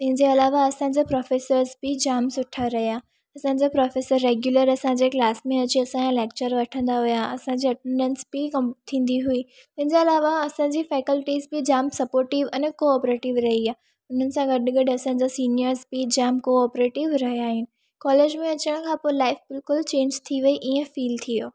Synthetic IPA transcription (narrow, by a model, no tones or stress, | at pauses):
t̪ɐ̃ɦɪ̃ɲd͡ʑeɐlaːʋaɐsãɲ̆d͡ʑapɾɔːfeːsəɾzbɪd͡ʑaːmsʊʈʰaɾɐɦijaː | ɐsãd͡ʑapɾɔːfeːsəɾːeːɡjuləɾɐsãɲd͡ʑeːklaːsmẽɐt͡ɕiɐsããleːk̚t͡ɕəɾʋɐʈʰə̃nd̪aɦʊjaɐsãɲd͡ʑiɐʈẽɳɖə̃nsb̥ɪkɐmt̪ʰːĩːn̆d̪iɦui | t̪ɐ̃ɦɪ̃ɲd͡ʑeɐlaːʋaɐsãːd͡ʑiːfɛːkəlʈiːzbɪd͡ʑaːmsɐpoːɾʈɪʋɐ̃ːnkoɔːpɾeːʈɪʋɾɐɦiaː | ʊn̤ənɪ̆sãɡɐɗɡɐɖɐsã̆ːd͡ʑasiːnijəɾzbɪd͡ʑaːmkoɔːpɾeːʈɪʋɾɐɦijaːɦɪnɪ̆ | kɔːleːd͡ʑmẽɐt͡ɕəɽ̃kʰãːpoɪlaːɪfbɪlkʊlt͡ɕẽːɲd͡ʑt̪ʰiʋɐiʔiːẽfiːlt̪ʰijoː